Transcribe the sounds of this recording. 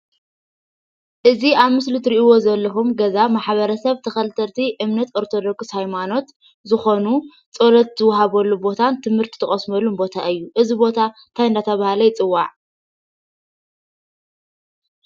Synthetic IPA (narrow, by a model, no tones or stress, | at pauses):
ʔɨziaβmɨslut̪ɨɾiʔiwo̞zɐlːɐxumɡɐzamaħβɐɾɐsɐβt̪ʰɐxɐlt̪ʰɐt̪ʰiʔɨmnɐt̪o̞ɾt̪ʰo̞d̪oɡshajmano̞t̪ | zɨxonu | t͡sʼolɐt̪̚zɨwːɐɦaβɐlːubo̞t̪ʰant̪ʰɨmhɨɾt̪ʰi̥t̪ʰɨχʼɐsmɐlːunbo̞t̪ʰaʔɨjːuʔɨzibo̞t̪ʰant̪ʰajɨnd̪at̪ʰɐβahalɐjɪt͡sʼɨwːaʕ